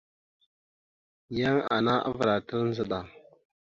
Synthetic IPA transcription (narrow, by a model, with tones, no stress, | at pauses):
ja˦ŋa̰˨na˦a̰˦və˨ɾa˨tə˦ɾn˦zə˦ɗa˨